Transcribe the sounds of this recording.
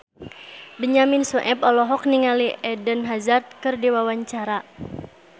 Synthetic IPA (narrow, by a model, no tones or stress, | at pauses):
bəɲaminsuʔɛpɔlɔɦɔk̚niŋaliʔɛdənɦazart̪̚kɨrdiwawaɲt͡ʃaɾa